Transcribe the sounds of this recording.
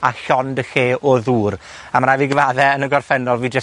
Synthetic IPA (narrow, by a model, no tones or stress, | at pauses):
aɬɔndəxeːɔðuːr | amɾaviɡəvaðɛənəɡɔrfɛnɔlˠviːd͡ʒə